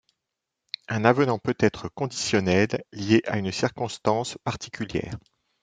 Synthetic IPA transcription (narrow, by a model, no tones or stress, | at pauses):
ɛ̃navənɑ̃pøt̪ɛt̪χəkɔ̃d̪isjɔnɛlːjeʔaynsiʁkɔ̃st̪ɑ̃spaʁt̪ikʲyljɛ̰ːʁ